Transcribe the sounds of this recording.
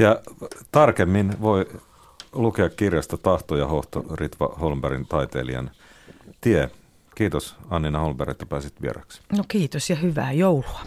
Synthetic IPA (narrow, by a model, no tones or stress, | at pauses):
jɑt̪ɑrkemːinʋo̞i | lukeɑkkːirjɑst̪ɑt̪ɑht̪ojɑhoht̪o̰rit̪ʋɑ̰holmbæɾint̪ɑjt̪ḛːliɑ̰n | t̪ie | kiːt̪osɑnːinɑholmbærḛt̪ːæpæːsit̪ʋiḛɾɑ̰ksnokiːt̪osjɑhyʋæ̰ːjouluɑ